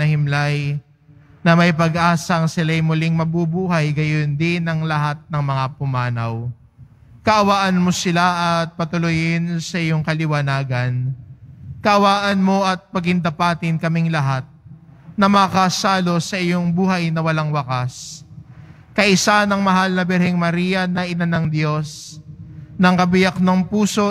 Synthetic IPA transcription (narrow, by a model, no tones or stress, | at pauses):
ɐhɪmlaj | nɐmɐjp̬ɐɡʔaːsɐŋsɪlajmʊlɪŋmɐbubuːɦɐjɡɐjond̪ɪnɐŋlɐɦat̪̚nɐŋmɐŋapʊmaːnɐw | kɐʔɐwaːʔɐnmo̞sɪlaʔɐt̪̚pɐt̪ʊlʊjɪnsɐʔɪjoŋkɐlɪwɐnaːɡɐn | kɐʔɐwaːʔɐnmo̞ɐt̪̚pɐɡɪnd̪ɐpaːt̪ɪnkɐmɪŋlɐɦat̪̚ | nɐmɐkasaːlo̞sɐʔɪjoŋbuːɦɐjnɐwɐlaŋwɐkas | kɐʔɪsanɐŋmɐɦalnɐbɛɾhɛŋmɐɾijɐnɐʔɪnanɐŋd̪jo̞s | nɐŋkɐbɪjɐk̚nɐŋpuːso̞